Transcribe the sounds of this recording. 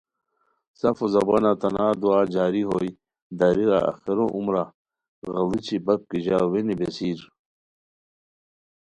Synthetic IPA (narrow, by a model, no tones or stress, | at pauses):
sɐfozɐbanat̪ɐnaːd̪uaːd͡ʑaːɾiɦoːi | d̪ɐɾiɾa̰ʔɐ̰xiɾoʔumɾa | ɣɐlit͡ɕʰibɐp̚kiʑaːwenibesiːɾ